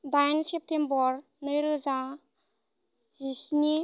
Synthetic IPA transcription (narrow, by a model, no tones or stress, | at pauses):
bajnsep̚tembɔɾ | nɯjɾɯza | zisni